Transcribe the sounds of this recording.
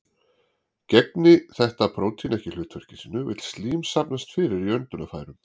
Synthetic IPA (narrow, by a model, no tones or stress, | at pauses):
cɛknɪθɛht̪apʰɾoːwt̪ʰinɛhcɪl̥ʏːt̪vœr̥cɪsiːnːʏvɪ̰t̪l̥st̪liːmsapnast̪fɪːɾɪɾiœnt̪ʏnafaːjɾʏm